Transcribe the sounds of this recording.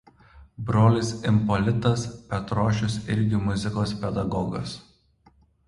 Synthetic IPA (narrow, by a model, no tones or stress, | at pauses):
bɾoːlʲɪsɪmpɔlʲɪt̪ɐspʲɛt̪ɾoːʃʲʊsɪɾʲɡʲɪmʊzʲɪkoːspʲɛd̪ɐɡɔɡɐ̰s